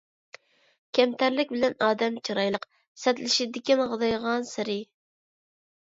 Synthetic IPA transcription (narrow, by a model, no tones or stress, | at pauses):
kʲʰɛmt̪ʰæɾlɪk̚ʲbɪlɛnɑːd̪ɛmt͡ʃʰiɾɑjlˠəq | sɛt̪lɪʃid̪ɪkʲinʁəd̪ɑjʁɑnsɪɾɪ